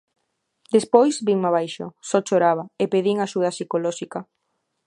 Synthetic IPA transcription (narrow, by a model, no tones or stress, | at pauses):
d̪espojzbiŋmaβajʃo̰sɔt͡ʃoɾaβaepeðiŋaʃuð̞asikolɔʃika